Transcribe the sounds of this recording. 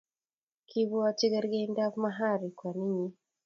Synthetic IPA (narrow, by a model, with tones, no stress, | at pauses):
kʰi˦βu˦a˦t͡ʃi˦ɡɛ˦ɾɡɛ˦nda˦kma˦ɦa˦ɾi˨kwa˨ni˦ɲi˦